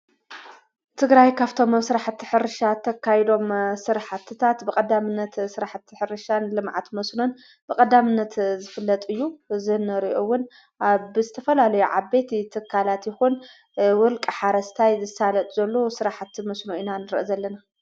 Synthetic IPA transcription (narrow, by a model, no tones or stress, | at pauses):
t̪ʰɨɡɾajkʰaβt̪ʰo̞msɨɾaħt̪ːi̥ħɨɾɨʃat̪ʰɐkʰːajd̪o̞msɨɾaħat̪ʰːɨt̪ʰat̪bɨkʼɐd̪ːamɨnːɐt̪sɨɾaħt̪ʰːħɨɾɨʃanlɨmʕa̰t̪mɐsnon | b̥ɨkʼɐd̪amɨnːɐt̪zɨfɨlːɐt̪ʼɨjːuzɨnːɨɾiʔowːʊn | ʔaβzɨt̪ʰɐfɐlalɐjuʕa̰be̞t̪t̪ʰɨkʰːalat̪jɪxun | wɔlkʼɨħaɾɐst̪ʰajzɨsalɐt̪ʼzɐlːo̞sɨɾaħt̪mɐsnoʔinanɨɾɨʔozɐlːɐna